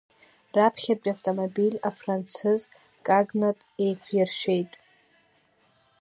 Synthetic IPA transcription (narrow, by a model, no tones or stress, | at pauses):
rapʰχʲat͡pʲʼaftʼomobilʲafrant͡sʰɨz | kʼaɡnatʼejkʷʰjɪrʃᶣejtʼ